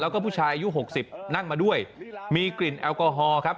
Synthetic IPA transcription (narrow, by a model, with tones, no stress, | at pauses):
lɛː˦˥wkɔː˥˩pʰu˥˩t͡ɕʰaː˧jʔa˧ju˦˥ɦo˨˩k̚si˨˩p̚na˥˩ŋmaː˧du˥˩əjmiː˧kli˨˩nʔɛː˧wkɔː˧ɦɔː˧kʰa˦˥p̚